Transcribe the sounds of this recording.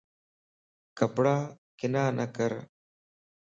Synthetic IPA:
kəpɽaːkɪnaːnʔəkəɾ

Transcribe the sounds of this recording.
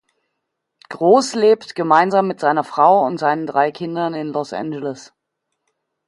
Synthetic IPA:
ɡ̥ʁoːsleːptɡ̥əmaɪnzaːmːɪtz̥aɪnɐfʁ̥aʊʊ̰ntz̥aɪnəndʁaɪkʰɪndɐnɪnlɔsʔɛ̰nd͡ʒələs

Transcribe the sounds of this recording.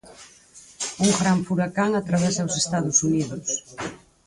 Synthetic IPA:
uŋɡɾaɱfuɾakaŋat̪ɾaβɛsawsest̪aðʊsuniðʊs

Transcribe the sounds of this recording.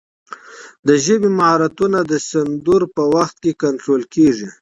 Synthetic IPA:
d̪əʒəbimahɑɾat̪unad̪əsand̪uɾpəwaxt̪̚kekaɳʈɾolkeʐi

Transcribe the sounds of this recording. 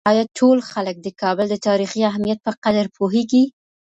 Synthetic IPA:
ɑjɑʈʰolxalək̚d̪əkɑbəld̪ət̪ɑɾixiaɦmijat̪̚pəqad̪aɾpʰoɦeɡi

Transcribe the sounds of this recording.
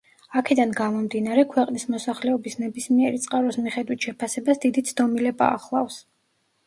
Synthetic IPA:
akʰɛd̪anɡamɔmd̪inaɾɛkʰwɛqʼnismɔsaχlɛɔbisnɛbismiɛɾit̪sʼqʼaɾɔsmiχɛd̪wit̪ʰʃɛpʰasɛbasd̪id̪it̪sʰd̪ɔmilɛba̰ːχlˠafs

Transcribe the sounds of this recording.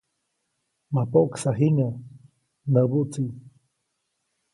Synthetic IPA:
mapoksaɦiŋa | nd̪abut͡si

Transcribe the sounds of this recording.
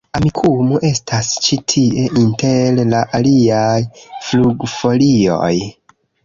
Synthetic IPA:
amikʰumoʔe̞stʰast͡ʃitʰie̞ʔintellaʔaliajfluɡfo̞lio̞̰j

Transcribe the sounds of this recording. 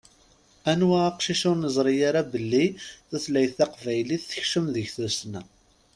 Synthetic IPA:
ænwæqʃiʃʊɾnəzˤɾˤijaɾabəlːiθæθlæjθɑqvæjliθːə̥çʃəmðəʝθusnæ

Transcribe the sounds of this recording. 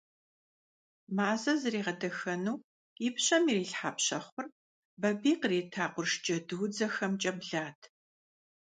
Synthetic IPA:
maːzɐzɨreːʁɐdɐxɐnuː | ipɕɐmiriːɬħaːpɕɐχʷʊr | bɐbiːqreːtʰaːqʷʊrʂt͡ʃʼɐdɨwʊd͡zɐxɐmt͡ʃʼɐbɮaːtʰ

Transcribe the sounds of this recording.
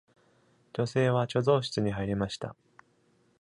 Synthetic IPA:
d͡ʑo̞se̞ːβ̞at͡ɕo̞zo̞ːɕi̥t͡sɨɲ̟iɦaiɾʲimaɕi̥t̪a̰

